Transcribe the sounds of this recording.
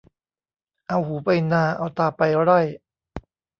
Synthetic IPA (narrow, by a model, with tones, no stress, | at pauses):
ʔa˧whuː˩˦pa˧jnaː˧ʔa̰˧˩wt̪aː˧pa˧jɾa˥˩j